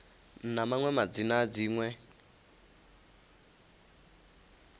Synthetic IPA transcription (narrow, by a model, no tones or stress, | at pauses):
n̩namaŋwɛmad͡zinad͡ziːŋwɛ